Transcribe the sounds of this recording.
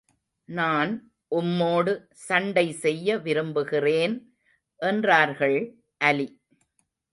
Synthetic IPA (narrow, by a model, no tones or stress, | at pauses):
naːn | ʔʊmːoːɽɯ | sɐɳɖɐɪsɛjːɐʋɪɾɯmbɯɣɪreːn | ʔɛndraːɾɣɐɭ | ʔɐli